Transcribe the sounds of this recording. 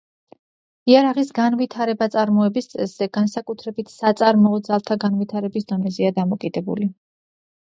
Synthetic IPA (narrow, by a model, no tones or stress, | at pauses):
iaɾaʁisɡanvit̪ʰaɾɛbat̪sʼaɾmɔɛbist̪sʼɛsz̥ɛɡansakʼut̪ʰɾɛbit̪ʰsat̪sʼaɾmɔɔd̪zalˠt̪ʰaɡanvit̪ʰaɾɛbisd̪ɔnɛzɛad̪amɔkʼid̪ɛbṵli